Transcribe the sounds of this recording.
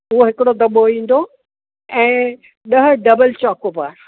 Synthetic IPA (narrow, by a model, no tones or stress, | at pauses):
ʊɦoɦɪkɪɽod̪ɐɓoĩːn̆d̪o | ɛ̃ː | ɗɐɦʊ̆ɖɐbəlt͡ɕaːkopaːɾ